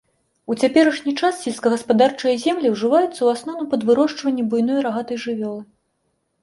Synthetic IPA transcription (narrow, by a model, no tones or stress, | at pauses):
ut͡sʲapʲɛɾɐʂnʲit͡ʂassʲɛlʲskɐɣɐspad̪art͡ʂɐjɐzʲɛmlʲiwʐɨvajut̪sːɐuasnɔnupɐd̪vɨɾɔʂt͡ʂvɐnʲːɛbujnɔjɾaɣat̪ɐjʐɨvʲɔlˠɨ